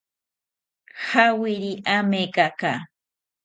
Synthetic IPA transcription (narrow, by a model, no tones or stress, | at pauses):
hawɪɾiʔamekaka